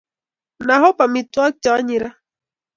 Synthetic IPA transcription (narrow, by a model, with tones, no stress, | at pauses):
na˨ɦɔ˦pa˨mi˨twa˦k̚t͡ʃa˨˦ɲi˨ɾa˦